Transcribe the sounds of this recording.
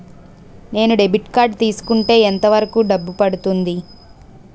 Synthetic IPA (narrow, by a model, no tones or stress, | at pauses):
ne̞ːnuɖebiʈkaːɾɖt̪iːsu̥kuɳʈe̞ːent̪ɐʋɐɾɐkuːɖɐbːupɐɽut̪und̪i